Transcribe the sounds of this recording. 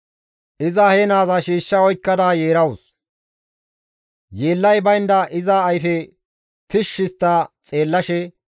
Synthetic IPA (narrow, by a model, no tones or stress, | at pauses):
ʔɪzɐhenaːzɐʃiːʃːɐɔjkːɐd̪aːjeːɾɐwʊs | jeːlːɐjbɐjnd̪ɐʔɪzɐːjfɛ | t̪ɪʃːɪst̪ːɐt͡sʼe̞ːlːɐʃɛ